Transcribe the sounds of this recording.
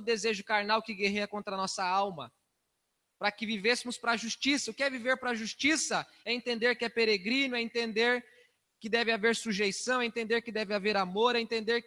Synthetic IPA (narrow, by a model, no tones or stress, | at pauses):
ʊd̪ezeʒʊkaɾnawkɪɡeɦeɐkõnt̪ɾɐnɔsɐawmɐ | pɾɐkɪvivesɪmʊspɾɐʒust͡ʃisɐʊkɪɛviveɾpɾɐʒust͡ʃisɐ | ɛẽnt̪ẽnd̪eɾkɪɛpeɾeɡɾĩnʊɛẽnt̪ẽnd̪eɾ | kɪd̪ɛvɪaveɾsuʒejsɐ̃w̃ɛẽnt̪ẽnd̪eɾkɪd̪ɛvɪaveɾamoɾɛẽnt̪ẽnd̪eɾk